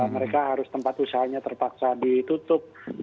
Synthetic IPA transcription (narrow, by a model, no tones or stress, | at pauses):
məɾekaɦaɾʊst̪əmpat̪usaɦaɲat̪ərpaksadit̪ut̪ʊp̚